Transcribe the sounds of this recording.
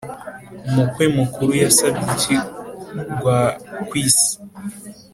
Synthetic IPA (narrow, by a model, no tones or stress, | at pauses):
omukwemukʰuɾujasabitʰi | ɡwakwiːsi̥